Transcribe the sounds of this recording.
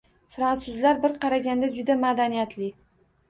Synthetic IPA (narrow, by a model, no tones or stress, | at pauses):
fɾansʊzlaɾbɪɾqʰɑɾaɡʲand̪ad͡ʒʊd̪amad̪anijat̪ʰlɪ